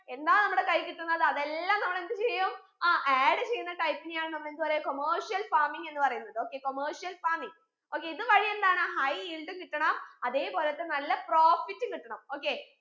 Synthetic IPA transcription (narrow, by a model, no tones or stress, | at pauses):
e̞nd̪aːnɐmːuɽe̞kɐjkiʈːunːɐðɨɐðe̞lːaːmnɐmːɐɭe̞nd̪ɨt͡ɕejːɐm | ʔeːɖɨt͡ɕe̞jːunːɐʈɐjpːinjaːɳɨnɐmːɐɭe̞nd̪upɐɾekomɐːrʂijɐlfaːɾmiŋɡe̞nːɨpɐrɐjunːɐðɨo̞ːkːe̞ːko̞mɐːrʂijɐlfaːɾmiŋ | o̞ːkːeiðɨʋɐɻije̞nd̪aːɳɨhɐjilɖɨkiʈːɐɳɐmɐðe̞ːpo̞ːlɐt̪ːe̞nɐlːɐproːfitːɨkiʈːɐɳɐmo̞ːkːe̞